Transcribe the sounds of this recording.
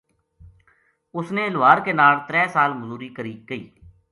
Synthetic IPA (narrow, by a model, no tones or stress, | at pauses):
ʊsneːɪlʋaːɾkeːnaːlt̪ɾɛːsaːlməzuːɾiːkəɾiːkəiː